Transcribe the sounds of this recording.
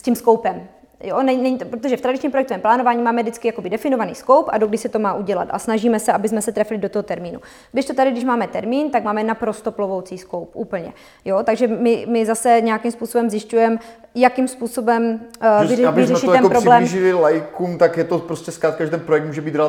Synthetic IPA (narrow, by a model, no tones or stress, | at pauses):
scimsko̞wpɛm | jonɛɲnɛɲit̪opɾot̪oʒɛft̪ɾadɪt͡ʃɲiːmpɾojɛk̚t̪ovɛːmplaːno̞vaːɲimaːmɛdɪt͡skɪjako̞bɪdɛfɪnovanḭːsko̞wpʔa̰doɡdɪʃsɛt̪o̞maːʔuɟɛla̰t̪ʔa̰snaʒiːmɛsɛʔabɪzmɛsɛt̪ɾɛflɪdot̪oɦo̞t̪ɛɾmiːnṵ | ɡdɪʃt̪o̞t̪adɪɡdɪʃmaːmɛt̪ɛɾmiːnt̪aɡmaːmɛnapɾo̞st̪oplovowt͡siːsko̞wpʔuːpl̩ɲɛ̰ | jot̪aɡʒɛmɪmɪzasɛɲɛjakimspuːso̞bɛmzjɪscujɛm | jakimspuːso̞bɛmvɪɪzɾɛɛʃɪɛnpɾoblɛːmʒɪlɪlajkuːmt̪akjɛt̪opɾoscɛskɾaːt̪̚kaɛt̪ɛnpɾojɛk̚t̪muːʒɛbiːt̪ɾɛ